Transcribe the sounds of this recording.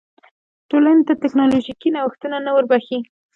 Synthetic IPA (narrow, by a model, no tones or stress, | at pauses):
ʈolanet̪at̪ɛknɑloʒikinawəxt̪unanawəɾbaxi